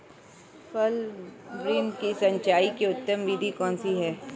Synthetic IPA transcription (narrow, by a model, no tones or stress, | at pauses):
fɐlɾiːnkisɐ̃ɲt͡ʃaːikeʊt̪ːəmbiːd̪ʱikɔːnsiɦɛː